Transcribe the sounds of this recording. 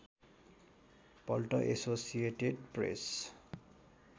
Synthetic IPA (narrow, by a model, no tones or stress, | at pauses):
pɔlʈoʔesosieʈeɖpɹḛs